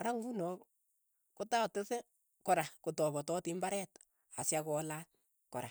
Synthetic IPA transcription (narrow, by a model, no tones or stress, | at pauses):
ɾaŋɡunɔ | kotatese | kɔɾakotɔbɔtɔtimbaɾɛt | asjakɔla | kɔɾa